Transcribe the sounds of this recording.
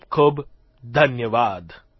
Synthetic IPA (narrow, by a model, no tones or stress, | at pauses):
kʰob | d̪ʱɐnjəʋaːd̪